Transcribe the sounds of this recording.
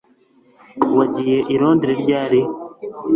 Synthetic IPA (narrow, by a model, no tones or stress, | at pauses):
waɟiːjeʔiɾoːndiɾiɾɟaːɾi